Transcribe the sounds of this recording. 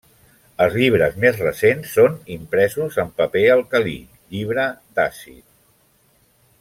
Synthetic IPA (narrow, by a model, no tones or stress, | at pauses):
əlˠzʎiβ̞ɾəzmezrəsensːonimpɾɛzuzəmpəpeəlˠkəlḭ | ʎiβ̞ɾəd̪asḭt̪